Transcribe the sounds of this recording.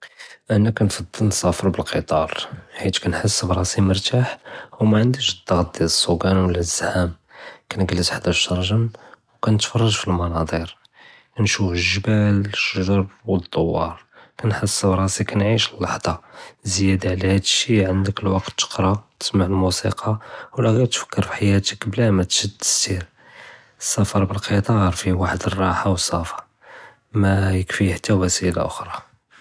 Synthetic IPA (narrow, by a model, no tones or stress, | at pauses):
ʔænækænfɑd̪ˤːəlnsˤɑfɾbəlqʰət̪ˤɑɾˤħit̪kænħəsːbɾˤɑsiməɾˤt̪aħwmæʕənd̪iʃd̪ɑɣt̪̚d̪æləsˤːuɡænwəlʔəzːħam | kænəɡəlːəsħd̪æʃːɑɾˤʒənwkænət̪fɑrˤːɑʒfilmɑnɑd̪ˤiɾ | kænʃufəʒbæləʃʒɑɾbwəd̪ˤːowːɑ̰ɾˤkænħəsːbɾˤɑsikænʕiʃəlːɑħd̪̥ˤɑzjæd̪aʕlæhæd̪əʃːiʕənd̪əkəlwɑqt̪ːə̥qɾˤɑt̪ə̥smaʕəlmusiqʰɑwlæɣæt̪fə̥kʰːəɾfi̥ħajæt̪əkblæmæt̪ʃəd̪ːə̥st̪iɾ | əsːɑfɑɾˤbəlqʰət̪ˤɑɾˤfiwaħəd̪ərˤːɑħawəsːɑfɑ̥ | mæjəkfiħat̪ʰːæwæsila̰ʔʊ̰xɾˤɑ